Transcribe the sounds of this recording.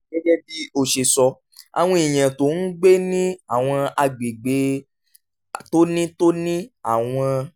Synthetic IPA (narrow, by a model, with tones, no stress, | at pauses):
ɡɛ˦d͡ʒɛ˦bi˦o˧ʃe˨sɔ˧ | a̰˨w̃ɔ̃˧˦i˨j̃ã˨to˨˦n̩˦ɡ͡be˦nĩ˦a˨w̃ɔ̃˧a˧ɡ͡bi˨ɡ͡be˨˦ | to˦nĩ˦to˦nĩ˦a̰˦˨w̃ɔ̃˧